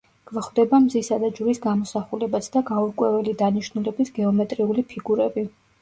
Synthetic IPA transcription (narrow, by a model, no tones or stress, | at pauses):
ɡ̥vaχwd̪ɛbamzisad̪ad͡ʒuɾisɡamɔsaχulɛbat̪sʰd̪aɡauɾkʼwɛvɛlid̪aniʃnulɛbisɡɛɔmɛt̪ʼɾiulipʰiɡuɾɛbi